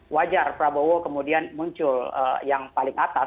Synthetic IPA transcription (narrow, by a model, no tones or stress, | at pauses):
wad͡ʒarpɾabowokəmudianmuɲt͡ʃʊlə̰jaŋpalɪŋat̪a